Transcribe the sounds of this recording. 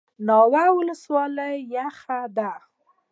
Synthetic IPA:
nɑwawʊləswɑləjːaxad̪a

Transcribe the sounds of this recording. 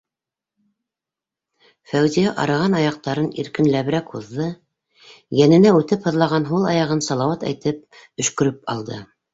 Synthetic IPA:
fæwzijæʔɑ̰ɾɑʁɑnɑjɑq̚t̪ɑɾɤnḭɾkɘ̆nlæβɘ̆ɾækhuðːɤ | jænɘ̆næʉt̪ɘphɤ̆ðlˠɑʁɑnɦulˠɑjɑʁɤnsɑlˠɑwɑt̪æ̰jt̪ɘp̚ | ɵ̆ʃkɵ̆ɾɘp̚ɑ̰lˠd̪ɤ

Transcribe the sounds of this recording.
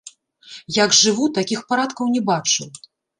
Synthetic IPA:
jaɡʐɨvut̪akʲixpaɾat̪kɐwnʲɛbat͡ʂɨw

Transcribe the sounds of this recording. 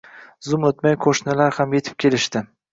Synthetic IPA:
zʊmot̪majqʰoʃnɪlaɾhamje̞t̪ʰɪ̥p̚kʲʰe̞lɪʃt̪ɪ

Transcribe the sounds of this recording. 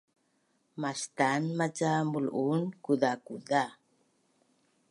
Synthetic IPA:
mast̪anmat͡ʃamulʔunkudakuda

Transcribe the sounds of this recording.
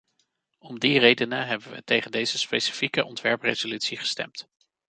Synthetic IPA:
ɔmdirejdənəɦɛbəʋə̰tejχəndejz̥əspejsi̥fikəʔɔntʋɛɹprḛzolytsiχə̥stɛ̰mt

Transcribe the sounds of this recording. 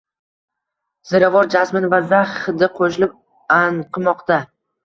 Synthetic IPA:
z̥ɪɾavɒɾd͡ʒasmɪnvazaχd̪ɪqʰoʃɪlɪp̚ | anqʰɨmɒqt̪a

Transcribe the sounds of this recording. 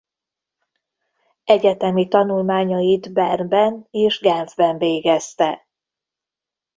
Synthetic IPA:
ɛɟɛt̪ɛmit̪ɒnulmaːɲɒjid̪bɛrnbɛneːʒɡɛɱvbɛɱveːɡɛst̪ɛ

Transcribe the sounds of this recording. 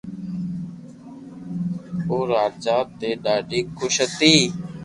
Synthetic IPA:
oːɾaːd͡ʒaːt̪eːɖaːɖiːkʰʊʃət̪iː

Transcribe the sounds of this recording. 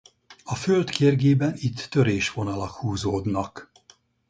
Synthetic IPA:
ɒfølt̪keːrɡeːbɛnit̪ːø̞ɾeːʃʋo̞nɒlɒkhuːzoːd̪nɒk

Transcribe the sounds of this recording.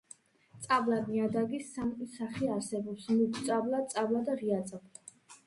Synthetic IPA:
t̪sʼablamiad̪aɡisamkʼisaχiaɾsɛbɔpsmukʰt̪sʼablˠat̪sʼablˠad̪aʁiat̪sʼabla

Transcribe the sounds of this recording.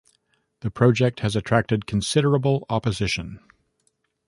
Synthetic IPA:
ðɨpʰɹ̥ɑʊd͡ʒɛk̚t̚hɨzɨtʰɹ̥æk̚tɨd̚kʰn̩sɪɾə˞əbl̩ˠɑpɨzɪʃɨ̃n

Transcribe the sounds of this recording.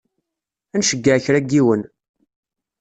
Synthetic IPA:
ænʃəɡːæçɾæɡiwən

